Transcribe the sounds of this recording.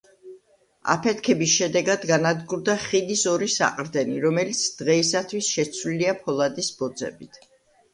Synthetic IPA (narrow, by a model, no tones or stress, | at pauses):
a̰pʰɛt̪ʰkʰɛbisʃɛd̪ɛɡad̪ɡanad̪ɡuɾd̪aχid̪isɔɾisa̰qʼɾd̪ɛniɾɔmɛlit̪sʰd̪̥ʁɛisat̪ʰwisʃɛt̪sʰvliliapʰɔlˠad̪isb̥ɔd̪zɛ̰bit̪ʰ